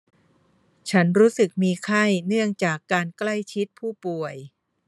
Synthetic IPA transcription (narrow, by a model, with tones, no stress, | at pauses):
t͡ɕʰa˦˥nɾuː˦˥sɯ˨˩k̚miː˧kʰa˥˩jnɯ˥˩əŋt͡ɕaː˨˩kːaː˧nkla˥˩jt͡ɕʰi˦˥t̪̚pʰuː˥˩pu˨˩əj